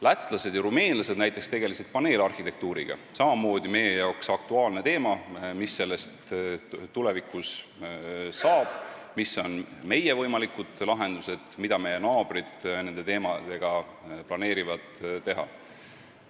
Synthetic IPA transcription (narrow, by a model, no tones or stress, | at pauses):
læt̪ːˑlɑse̞d̪̥jɑɾume̞ːnlɑse̞d̪̥næjt̪ːˑekst̪e̞ɡe̞liselt̪̚pɑne̞ːlɑrhit̪e̞k̚t̪uːɾiɡ̥ɑ̰sɑmɑmo̞ːd̪̥ime̞je̞jɑoksɑk̚t̪uɑːlne̞t̪e̞ːmɑmisːe̞lːest̪t̪ːule̞vikˑus | sɑːb̥ | miso̞nme̞je̞vɤjmɑlikud̪̥lɑɦe̞nd̪̥use̞d̪̥mid̪̥ɑme̞je̞nɑːb̥rid̪̥ne̞nd̪e̞t̪e̞ːmɑd̪̥e̞ɡ̥ɑ | plɑne̞ːɾivɑd̪̥t̪ːe̞ɦɑ̰